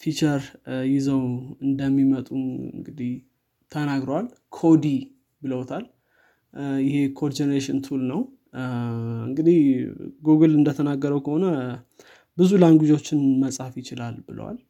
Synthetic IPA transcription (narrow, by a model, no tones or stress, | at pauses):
fit͡ʃəɾjɪzəwɨnd̪əmːimət̪ʼuɨ̰ŋɡɨd̪ih | t̪ʰənaɡɾəwalkʰo̞d̪i | bɨləwt̪ʰal | jɪhe̞kʰod͡ʒɛnəɾeʃɪnt̪ʰulnəw | ɨŋɡɨd̪ihɡoɡolɨnd̪ət̪ʰənaɡːəɾəwkʰəho̞nə | bɨzulaŋɡʷud͡ʒot͡ʃːɪnməsʼafjɪt͡ʃɪlalbɨlə̰wa̰l